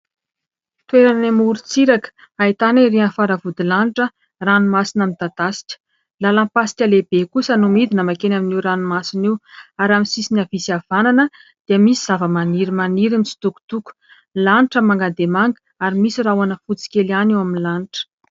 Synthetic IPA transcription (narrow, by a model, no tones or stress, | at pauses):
t̪weɾanamuɾut͡siɾakə̥ | ait̪anaɾianfaɾavud̪ilaniʈ͡ʂə | ranumasinəmit̪ad̪asi̥ʈ͡ʂə̥ | lalampasi̥kʲalebekusənumid̪inəmakenaminiɾanumasiniwaɾamisisinavisav̥ananəd̪̥iəmisiz̥avəmaniɾimaniɾinsi̥t̪uku̥t̪uku̥ | laniʈ͡ʂəmaŋɡad̪emaŋɡə | aɾimisirawanəfut͡si̥kʲelanewaminlaniʈ͡ʂə̥